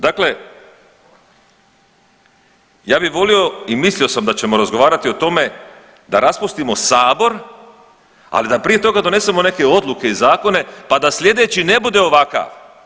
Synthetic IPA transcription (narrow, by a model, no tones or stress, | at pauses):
d̪akle̞ | jaːbixʋo̞lio̞imislio̞samd̪at͡ɕe̞mo̞ɾazɡo̞ʋaːɾat̪io̞t̪o̞me̞ | d̪a̰ɾaspust̪imo̞saːbo̞ɾ | a̰lid̪apɾije̞t̪o̞ɡad̪o̞ne̞se̞mo̞ne̞ke̞o̞d̪lˠuke̞izaːko̞ne̞pad̪aslje̞d̪e̞ːt͡ɕine̞bud̪e̞o̞ʋaka̰ʋ